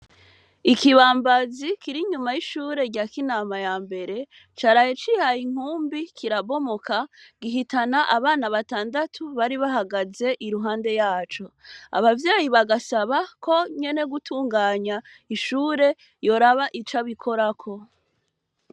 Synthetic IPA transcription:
ikiβaːmbazikiɾiɲumajiʃuːɾe̞ɾɟaːkinaːmajaːmbe̞ɾe̞ | t͡ʃaɾajet͡ʃihajiŋ̥uːmbikʰiɾaβo̞mokʰaɡiɦitanaʔaβaːnaβataːndatʰuβaɾiβaɦaɡaze̞ʔiɾuɦaːnde̞jaːt͡ʃo̞a̰βavjaːjiβaɡasaβakʰo̞ɲe̞ne̞ɡutʰuːŋɡaːɲa | iʃuːɾe̞ | jo̞ɾaβaʔit͡ʃaβikʰo̞ɾakʰo̞

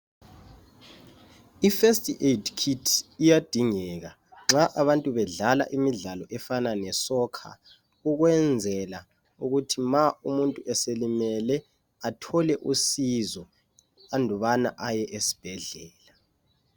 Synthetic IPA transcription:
ifestʼiʔedkʰitʰijad̥ʱiŋɛɣa | ŋ͡ǁaʔaβantʼuβɛɮala̰ʔimiɮalɔʔɛfananɛsɔkʰa̰ | uɣwɛnd͡zʱɛla | uɣutʰimaumuntʼuʔɛselimɛlɛ | atʰɔlɛʔusizɔ | andʱɔβana̰ʔajɛʔesi̥b̥ʱɛɮɛːla

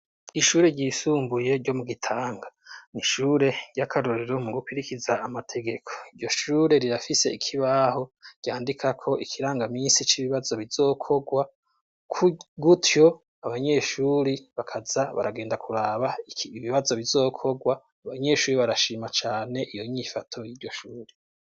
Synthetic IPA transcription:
iʃuːɾeɟiːsuːmbuje̞ɾɟo̞muɡitʰaːŋɡaniʃuɾe̞ɟ̥ɟakʰaɾoɾeɾomuɡupiɾikizaːmatʰe̞ɡe̞kʰo̞iɟo̞ʃuːɾe̞ɾiɾafise̞ikʰiβaho̞ɟ̥aːndikʰakʰo̞ʔikʰiɾaːŋɡamiːnsit͡ʃiβiβazo̞βizo̞ːkʰo̞ɡwa | kʰuɡutjo̞ | aβaɲe̞ʃuɾiβakʰazaβa̰ɾaɡe̞ːndakʰuɾaːβaβiβazo̞βizo̞ːkʰo̞ɡwaː | βaɲe̞ːʃuːɾiβaɾaʃiːmat͡ʃaːne̞ʔijo̞ɲifatʰo̞jiːɾɟo̞ʃuːɾe

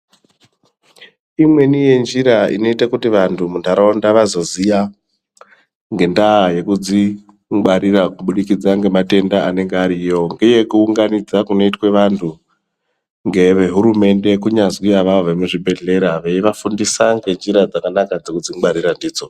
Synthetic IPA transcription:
imwe̞nije̞nd͡ʒiɾaḭno̞itakutiʋantʰumuntaɾaondaʋazo̞zija | ŋɡe̞ndaje̞kud͡zi | ɡ͡baɾirakuɓuɗikid͡zaŋɡe̞mate̞ndaane̞ŋɡeaɾijo̞ŋɡe̞je̞kuːŋɡanid͡zakuno̞itwe̞ʋantʰu | ŋɡe̞ʋe̞ɦuɾume̞nde̞kuɲazwijaʋaoʋe̞muʐibʱe̞ɮe̞ɾaʋe̞iʋafundisaŋɡe̞nd͡ʒiɾad͡zakanakad͡ze̞kud͡ziŋɡ͡baɾirandiːd͡zo

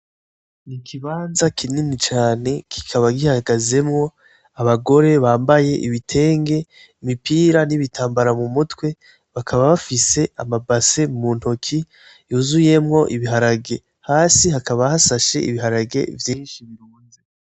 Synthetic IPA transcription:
nikʰiβaːnzakʰininit͡ʃaːne̞kʰi̥kʰaβaɡihaɡaze̞mŋo̞ | aβaɡo̞ɾe̞βaːmbaje̞ʔiβitʰe̞ːŋɡe̞ | imipiːɾaniβitʰaːmbaɾamumutwe̞ | βakʰaβaβafise̞amabase̞muːntho̞kʰi | juzuje̞mŋo̞ʔiβiɦaɾaɡe̞ | haːsihakaβahasaʃe̞̰ḭβiɦaɾaɡe̞̰vjiːnʃiβiɾuːnze

